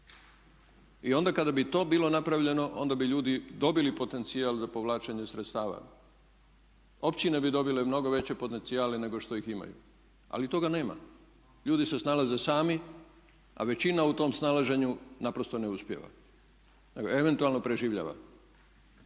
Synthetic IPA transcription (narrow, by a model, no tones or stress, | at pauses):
io̞nd̪akad̪abit̪o̞ːbilo̞napɾaʋʎe̞no̞ʔo̞̰nd̪abiʎuːd̪id̪o̞bilipo̞t̪e̞nt̪sialzapo̞ʋlaːt͡ʃeɲesɾet̪st̪aːʋa̰ | o̞pt͡ɕine̞bid̪o̞bile̞mno̞ɡo̞ʋe̞t͡ɕe̞po̞t̪e̞nt̪siaːlene̞ɡo̞ʃt̪o̞ixima̰jṵ | a̰lit̪o̞ɡane̞ːma̰ | ʎuːd̪ise̞snalaze̞saːmi | a̰ʋe̞t͡ɕinaut̪o̞ːmsnalaʒe̞ɲunapɾo̞st̪o̞ne̞uspjḛʋa̰ | neɡoeʋe̞nt̪ualno̞pɾe̞ʒiːʋʎa̰ːʋa̰